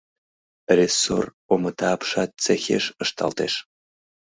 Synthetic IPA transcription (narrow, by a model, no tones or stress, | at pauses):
rʲeso̰r | omət̪ɑːpʃɑt̪̚t͡sexʲḛʃə̆ʃt̪ʰɑ̰lt̪eʃ